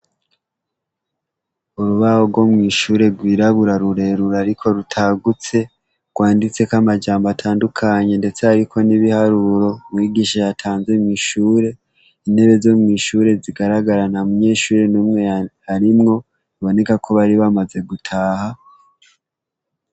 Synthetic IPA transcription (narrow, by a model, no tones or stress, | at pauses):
uɾuβaho̞ɡɡwo̞mŋiːʃuːɾe̞ɾɡwiːɾaβuɾaɾuɾe̞ɾuɾaɾikʰo̞ɾutʰaɡut͡se̞ | ɡ̥waːndit͡se̞kamad͡ʒaːmbatʰaːndukʰaɲe̞nde̞t͡seaɾikʰo̞niβihaɾuɾo̞mwiːɡiːʃajatʰaːnzemŋiːʃuːɾe̞ | ine̞βe̞zo̞mŋiːʃuɾe̞ziɡaɾaɡaɾanamuɲe̞ːʃuːɾe̞nuːmŋe̞ | aɾimŋo̞ | iβo̞ne̞kakʰoβaɾiβamaze̞ɡutʰaːha